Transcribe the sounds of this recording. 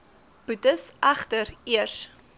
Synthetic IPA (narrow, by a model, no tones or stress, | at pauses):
b̥ʉtəsʔæχtəɾiərs